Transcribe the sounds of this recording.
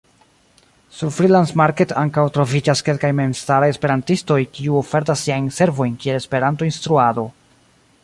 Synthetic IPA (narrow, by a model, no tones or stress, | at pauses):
suɾfɾilansmaɾke̞tʰaŋkawtɾo̞vid͡ʒaske̞lkajme̞mstaɾaje̞spe̞ɾantisto̞jkiuofe̞ɾt̬asːiajnse̞ɾvo̞jnkie̞le̞spe̞ɾanto̞instɾuado̞